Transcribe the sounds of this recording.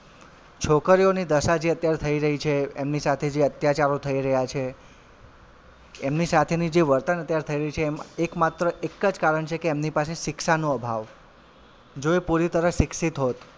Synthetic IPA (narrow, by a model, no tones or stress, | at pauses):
t͡ʃʰokəɾionid̪əʃad͡ʒeət̪jaɾet̪ʰəiɾəɦit͡ʃʰeemnisat̪ʰed͡ʒeət̪jat͡ʃaɾot̪ʰəiɾəɦjat͡ʃʰe | mnisat̪ʰenid͡ʒeʋəɾt̪ənət̪jaɾet̪ʰəiɾəɦit͡ʃʰemekmat̪ɾəʔekːəd͡ʒkaɾəɳt͡ʃʰekeːmnipaseʃɪkʃanoəbʱaʋ | d͡ʒoipuɾit̪əɾəfʃɪksit̪ɦot̪